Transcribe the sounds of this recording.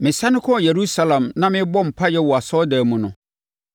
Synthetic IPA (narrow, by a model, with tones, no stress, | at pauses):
mɪ̃˨sa˦nʊ̃˦kʰɔ˦˨je˨ɾu˦sa˦lã˨mnã˦mɪ̃˦bɔ˦m̩˨pʰa˦jɛ˦wɔ˨a˨sɔ˦daː˨mũ˨nʊ̰̃˨